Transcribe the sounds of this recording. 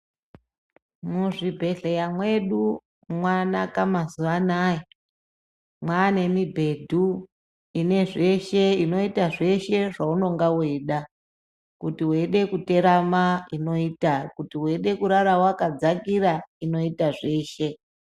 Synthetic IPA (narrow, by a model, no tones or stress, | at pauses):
muʐibʱe̞ɮejamwe̞ɗu | mwanakamazuʋanaːji | mwane̞mibʱe̞dʱu | ine̞ʐe̞ʃe̞ino̞itaʐe̞ʃe̞ʐauno̞ŋɡawe̞ːɗa | kutiweɗe̞kute̞ɾamaino̞itakutiweɗe̞kuɾaɾawakad͡zakiɾaino̞itaʐe̞ːʃe̞